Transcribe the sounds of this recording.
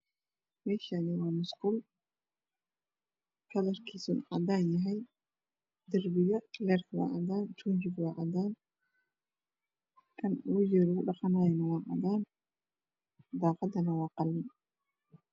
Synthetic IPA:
mɛːʃanɪwɑːmʊskʊl | kʰɐlɐrkʰiːsṵnʕɑd̪aːnjɐɦɛj | d̪ɐrbɪjɐlɛːrkʰwɑ̰ʔɑ̰d̪aːnt͡ʃuːt͡ʃɪɡwɑːʕɑd̪aːn | kʰɐnwʊjɛɾʊɣʊɖɑqɑnaːjɛnɐwɑːʕɑ̰d̪aːn | d̪aːqɑd̪ɐnɐwɑːqɑlːɪn

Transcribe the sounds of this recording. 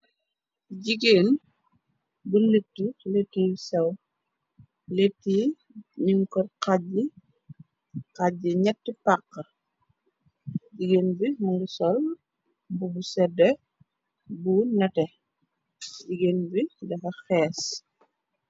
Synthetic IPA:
ɟiɡeːn | bulətːuletːisɛw | letːi | ɲiŋkɔtqaɟi | qaɟiɲɛtːpaqːɐ | ɟiɡeːnbimuŋɡusɔl | bubusɛdɛ | bunɐtɛ | ɟiɡeːnbidɐxɐxɛːs

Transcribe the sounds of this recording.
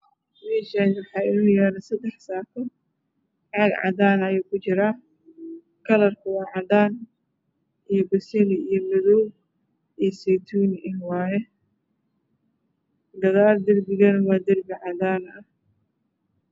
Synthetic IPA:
mɛːʃanwɑħɑːɪɾɪnɐjaːnɐsɐd̪ɛħsaːkʰɐ | ʕɑɡʕɑ̰d̪aːnɐjuːkʰʊt͡ʃɪɾaː | kʰɐlɐrkʰɐwɑːʕɑd̪aːn | ʔijɔbɐsɛlɪijɔmɪðɔw | ijsɛjt̪ʰuːnʔɪnwɑːjɛ | ɡ̪ɐðaːld̪ɐrbɪɣɐnɐwɑːd̪ɪrbɪʕɑd̪aːnɐh

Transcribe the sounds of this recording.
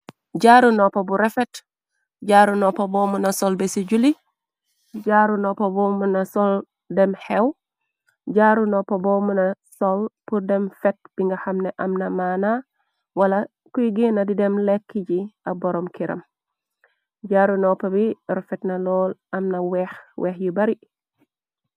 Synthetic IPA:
ɟaɾunopɐbuɾefet | ɟaːɾunɔpɐboːmunasolbesiɟuli | ɟaːɾunoːpɐbomunasol | dɛmhew | ɟaɾunopɐbomunɐsolpuɾdɛmfɛt̚b̥iŋɡɐhɐmnɛʔɐmnɐmaːna | wɐlɐ | kujɡinɐdidɛmlekːiɟiɐbɔɾɔmkiɾɐ̰m | ɟaːɾunɔpɐbiɾɔfɛtnɐlɔːlɐmnɐwɛxweːxjibɐɾi

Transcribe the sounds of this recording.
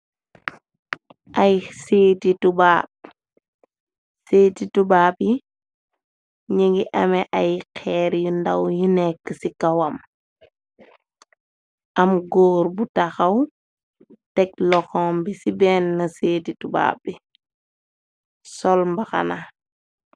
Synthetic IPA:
ʔɐjseːtitubaːp̚ | seːtitubaːbji | ɲiŋɡiʔɐmɛʔɐjkʰɛːɾjundɐwjunɛkːəsikɐwɐm | ʔɐmɡɔːɾbutaxɐw | tɛk̚lɔxɔːmbisibɛːnːɐseːtituba̰ːbːi | sɔlmbɐxɐ̰na

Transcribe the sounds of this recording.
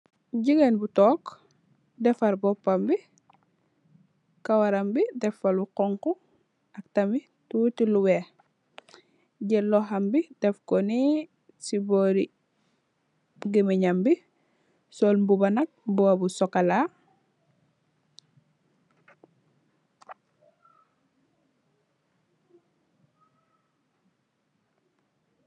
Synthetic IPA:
ɟiɡenbutɔːk | dɛfaɾbɔpːambi | kawaɾambidɛfaluqɔŋku | ɐk̚tami | tutiluwe | ɟɛlːoɦambidɛfkoni | siboɾi | ɡimiɲambi | sɔlmbubanɐk̚mbɔabusɔkala

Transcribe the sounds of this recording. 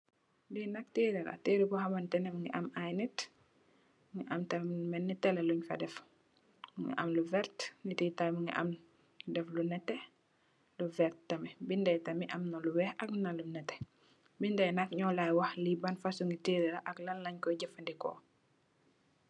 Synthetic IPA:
dinɐk̚tiːɾɛɾɐ̰teɾikɔɦɐmɐntɛnɛmŋɡiʔɐmajnit | ŋɡiʔɐmtɐmmɛnːitɛlɛluɲfɐ̰dɛf | ŋɡḭʔɐ̰mluvɛɾtnititamŋḭʔa̰m | dɛflunɛtːɛ | luvɛɾttɐmɛbindɛjtɐmiʔɐmnɐluwɛhɐknɐlunɛtːɛ̥ | bindɛjnɐkɲɔlajwahlibanfasuŋɡitiːɾɛɾaʔɐklɐllaɲkɔɟɐfɐndikɔ̰

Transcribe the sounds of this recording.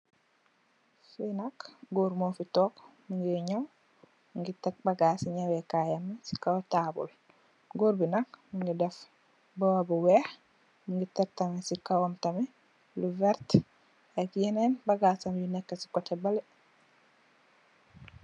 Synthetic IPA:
finakɡoɾmoːfitɔːkmuŋɡiɲaw | muŋɡitek̚baɡaːsiɲawekajamɛsi̥kawtaːbṵl | ɡoːɾbinakmuŋɡidɛf | bowabuwɛːh | muŋɡitek̚tamesikawamtamɛ | luvɛɾt | ekjɛnenbaɡaːsamjunɛkːasi̥kɔtebali

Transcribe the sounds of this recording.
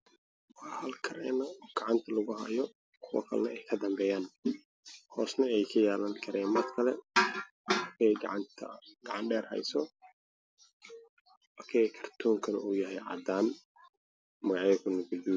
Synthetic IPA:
wɑħhɐlkʰɐɾɛ̰ːnɐɡ̥ɑʕɑnt̪ʰɐlɐɣʊhɐjɔ | kʰʊwɐ̰kʰɐ̰lɛɛjkʰɐd̪ɐmbɛːjaːn | hɔːsnɐɛjkʰɐjaːlɐŋkʰɐɾʔɛːnmɐrkʰɐlɛ | ɐkʰɛjɡɑ̰ʕɑnt̪ʰɐ̰ɡɑʕɑnɖɛːrhɐ̰jsɔ | ɐkʰɛjkʰɐ̥rt̪ʰuːŋkʰɐlɛ̰ʔuːjɐɦɛjʕɑ̰d̪aːn | mɐɣɑʕɐkʰʊnɐɡʊd̪iː

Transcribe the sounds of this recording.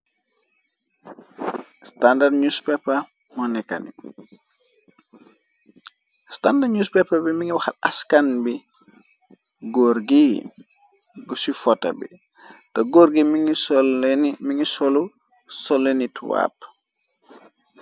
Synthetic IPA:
standadɲuspɛpːɐ | mɔnɛkːa̰ni | standaɲuspɛpːɐbimiŋiwaxɐtɐskanbi | ɡɔɾɡi | ɡusifɔtːɐ̰bḭ | tɐɡoɾɡimsɔmiŋisɔlu | sɔlːenitwa̰ːp

